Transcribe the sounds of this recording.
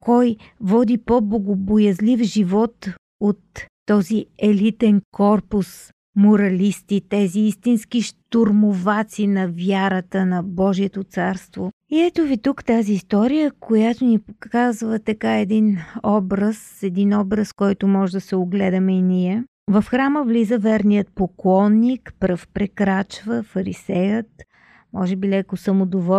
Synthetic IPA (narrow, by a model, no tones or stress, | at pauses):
kɔj | vɔd̪ipoboɡʊbojɐzlifʒivɔt̪ | ot̪ː | ɔziɛlit̪ɛnkɔɾpʊs | mʊɾɐlist̪it̪ɛziist̪insk̟iʃt̪oɾmʊvat̪sinɐvʲjaɾət̪ənɐbɔʒiɛt̪ot̪saɾst̪voiɛt̪ovit̪ukt̪aziːst̪ɔɾijəkojat̪onipokazvət̪ɐkaɛd̪inɔbɾəsɛd̪inɔbɾəskɔjt̪ʊmɔʒɛd̪ɐsɛoɡlɛd̪əmɛiniɛ | vɐfxɾaməvlizəvɛɾnijət̪̚poklˠɔnːikpɾəfpɾɛkɾat͡ʃvəfɐɾḭsɛjət̪ | mɔʒɛbilɛkosəmod̪ovɔ